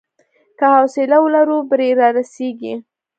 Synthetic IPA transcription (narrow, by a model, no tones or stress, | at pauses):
kəhasɪlawəlaɾubɾeɾɑɾaseɡḭ